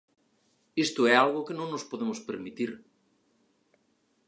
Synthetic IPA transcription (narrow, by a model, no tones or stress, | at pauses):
est̪oɛalɣokenõŋnospoðemospeɾmit̪iɾ